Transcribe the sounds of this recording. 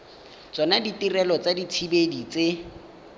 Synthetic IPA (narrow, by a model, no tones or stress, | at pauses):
t͡sʼɔnaditirɛlɔt͡sadit͡sʰibedit͡se